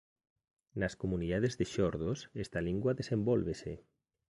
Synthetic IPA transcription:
naskomuniðaðezðeʃɔɾðosest̪aliŋɡwaðesembɔlβese

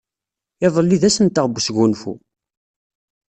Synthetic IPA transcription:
ɪðˤəlːiðæsənt̪əʁbsɡunfṵ

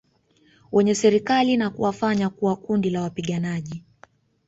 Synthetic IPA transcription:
wɛɲɛsɛɾikalinakuwafaɲakuwakundilawapiɠanaʄi

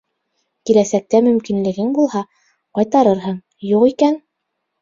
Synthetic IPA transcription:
kilæsæk̚t̪æmɵ̆mkinlɘ̆ɡɘŋbulˠhɑ | qɑjt̪ɑɾɤɾɦɤɴ | juʁikæn

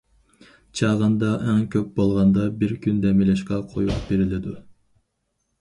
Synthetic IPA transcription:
t͡ʃʰɑʁɑnd̪ɑʔɛŋkʲʰøp̚bolˠʁɑnd̪ɑbiɾkʲynd̪emileʃkɛqʰojupb̥eɾiled̪y

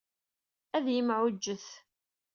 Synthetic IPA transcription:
æðjəmʕʊd͡ʒːəθ

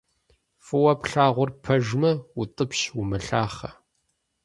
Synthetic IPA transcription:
fɨwɐpɬaːʁʷʊrpʰɐʒmɐwʊtʼɨpʃwumɨɬaːχɐ

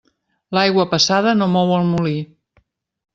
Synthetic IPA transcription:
lajɣwəpəsaðənomɔwəlˠmuli

